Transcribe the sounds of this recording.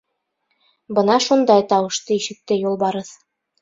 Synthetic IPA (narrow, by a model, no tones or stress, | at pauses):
bɤnɑʃund̪ɑjt̪ɑwɤ̆ʃt̪ɤiʃɘ̆k̚t̪ɘjulˠbɑɾɤð